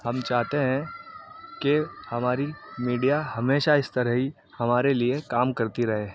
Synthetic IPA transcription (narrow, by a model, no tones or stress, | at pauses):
hɐmt͡ʃaːɦt̪eɦɛ̃ | kehɐmaːɾimiːɖijaɦɐmeːʃaɪst̪ɐɾəɦi | hɐmaːɾeliekaːmkɐɾt̪iɾɐɦẽː